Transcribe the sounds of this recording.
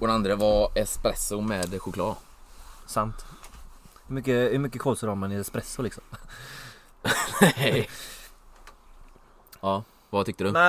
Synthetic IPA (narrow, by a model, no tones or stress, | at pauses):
ɔd̪ɛnand̪ɾəvaɾɛspɾɛsʊmɛːd̪ɧʊkʰlɑ̰ː | sant̪ | hɵmʏkːəhɵmʏkːəkʰɔːlsəɾaɾmanɪɛspɾɛsːʊlɪksɔm | nɛ | ɑː | vat̪ʰʏk̚t̪əd̪nɛ